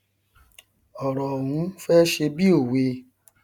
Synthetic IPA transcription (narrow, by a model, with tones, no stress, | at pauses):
ɔ˨ɾɔ˨hũ˨˦fɛ˦ʃe˧bi˦o˦˨we˧˦